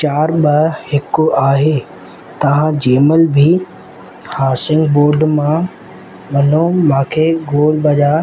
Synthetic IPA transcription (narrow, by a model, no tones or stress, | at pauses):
t͡ɕaːɾɓɐhɪkʊaːɦeː | t̪ɐʋ̤ãd͡ʑeːməlbʱi | haːsɪ̃ŋɡboːɾɖmã | ʋɐnomãːkʰeːɡoːlbɐʄaː